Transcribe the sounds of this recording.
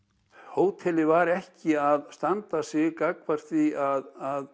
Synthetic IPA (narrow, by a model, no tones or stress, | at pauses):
hoːwt̪ʰɛlɪvaɾɛhcɪaðst̪ant̪asjɪɣkakvaɾ̥θviaðað